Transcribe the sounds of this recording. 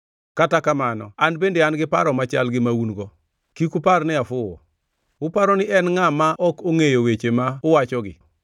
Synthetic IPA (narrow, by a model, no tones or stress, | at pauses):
katakamanɔanbendeanɡɪpaɾɔmat͡ʃa̰lɡɪmaunɡɔ | kikuparnɪafʊɔ̰ | ʊpaɾɔnɪʔɛnŋamaʔɔkoŋejowet͡ʃemaʊwat͡ʃɔɡɪ̰